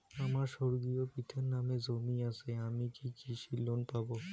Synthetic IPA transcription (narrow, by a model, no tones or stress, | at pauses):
aːmãʃoɽɡijopit̪ʰənːaːmẽzoːmijãseaːmikikiːʃiloːnpaboː